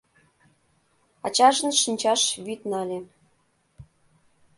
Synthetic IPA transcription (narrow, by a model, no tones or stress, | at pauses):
ɑt͡ɕɑʒɤ̆nʃinʲt͡ɕɑʃβyt̪nɑlʲĕ